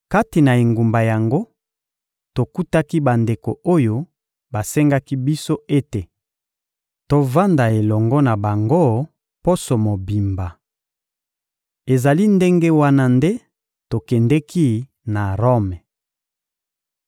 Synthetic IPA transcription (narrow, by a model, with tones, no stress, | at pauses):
ka˦ti˨na˨e˨ŋɡu˨mba˨ja˨ŋɡo˦ | to˨ku˦ta˦ki˦ba˨nde˨ko̰˨o˦jo˦ | ba˨sɛ˦ŋɡa˦ki˦bi˦so˦e˦te˨ | to˨va˦nda˨e˨lɔ˨ŋɡɔ˦na˨ba˨ŋɡo˦ | po˦so˨mo˨bi˨mba˨ | e˨za˨li˦nde˦ŋɡe˦wa˦na˦nde˦ | to˨kɛ˨ndɛ˦ki˦ | na˨ʁɔ˦mɛ˨